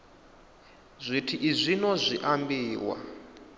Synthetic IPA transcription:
zʷitʰiʔizʷinɔzʷiʔambiːwa̰

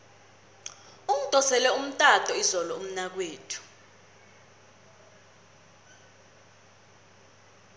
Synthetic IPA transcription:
um̩tʼɔsɛlɛum̩tʼatʼɔizɔlɔum̩nak̬weːtʰu̥

